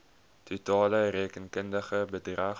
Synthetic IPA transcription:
t̪ʰutɑːləreːkənkəndəχəbədrɐ

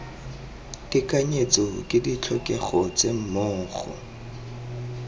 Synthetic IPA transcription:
tɪkʼaɲet͡sɔkʼɪdit͡ɬʰɔkʼɛχɔt͡sem̩moːχɔ̰

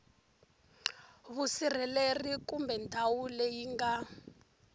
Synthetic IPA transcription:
βusir̤ɛlerikumbɛndʰʱawulɛjiŋɡa

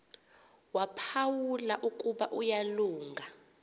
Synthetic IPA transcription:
wapʰawulaʔukʼuɓaʔujaluːŋɡʱa

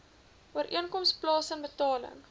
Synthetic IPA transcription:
uəɾʔiənkɔmsplɑːsənbətɑːlə̰ŋ

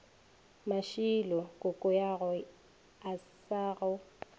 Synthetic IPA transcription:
maʃilɔkʼʊkʼʊjaɣʊ | asaɣʊ

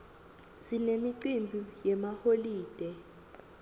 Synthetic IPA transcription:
zinemiǀimbʱujɛmaholiːd̥ʱɛ

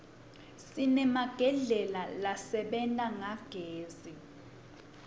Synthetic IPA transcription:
sinɛmaɡ̥ʱɛɮɛlalasɛɓɛntʼaŋaɡ̥ʱeːzi

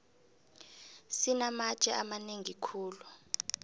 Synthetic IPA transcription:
sinamat͡ʃʼɛʔamaneŋikʰuːlu

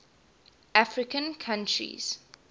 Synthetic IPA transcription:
ʔafɹɪkə̃nkʰãntʰɹḭz̥

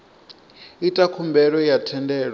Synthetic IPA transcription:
itʼakʰumbɛɺɔjatʰɛndɛːɺɔ

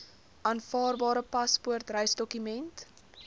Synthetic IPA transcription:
ʔɑːnfɑːrbɑːɾəpɐspuərtrəjsdɔkymɛnt

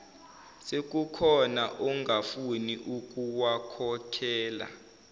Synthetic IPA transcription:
sek̬ʼukʰɔnaʔɔŋɡafuniʔuk̬ʼuwakʰɔkʰɛːla̰

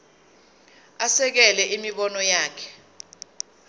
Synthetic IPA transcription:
asɛk̬ɛlɛʔimiɓɔnɔjaːkʰɛ̥

